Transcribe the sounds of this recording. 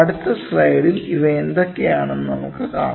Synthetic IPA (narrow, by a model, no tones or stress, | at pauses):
ɐɽut̪ːɐslɐjɽiliʋeːnd̪okːejaːɳenːunɐmukːɨka̰ː